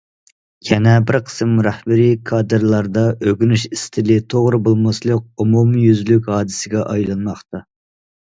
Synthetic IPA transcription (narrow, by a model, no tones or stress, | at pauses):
kʲʰɛnɛbɪɾqʰə̥sɨmɾæhbɪɾikʰɑːd̪ɨɾlˠɑɾd̪ɑʔøɡʲynyʃist̪ʰɪlɪt̪ʰoʁɾɨbolˠmɑslˠək̚ʲumumjyzlykʲhɑːd̪ɨsɪɡʲɛʔɑjlˠɑnmɑχt̪ɑ